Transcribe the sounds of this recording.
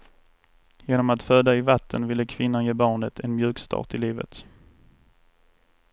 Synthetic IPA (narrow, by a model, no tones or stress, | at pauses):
jeːnɔmat̪føːd̪aɪvat̪ʰːənvɪlːəkʰvɪnːanjeːbɑːɳət̪ʰɛnmjʉ̟ːkst̪ʰɑ̰ːʈ̪ɪliːvə̰t̪